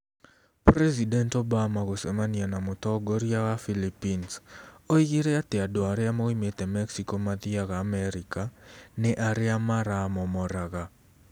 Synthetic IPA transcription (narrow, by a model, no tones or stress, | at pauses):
prɛzidɛntobamaɣosɛmanianamʊtɔɡoɾiaɣafilipinsoiɣiɾɛateadoaɾɪamoimetɛmɛksikɔmaðiaɣaːmɛɾikanɛʔaɾɪamaɾamɔmɔɾaɣa